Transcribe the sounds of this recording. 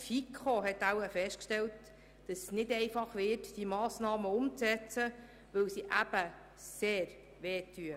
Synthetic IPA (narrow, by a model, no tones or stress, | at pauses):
fikʰχoɦɛtæwəfɛʃtkʃtɛlt | d̥ɑssnɪdɛɪfɑχʋɪtd̥imɑːsnɑːməʊmt͡sɛt͡sə | ʋɵwsiʔæb̥ə | seːɾ | ʋeːtʰːyə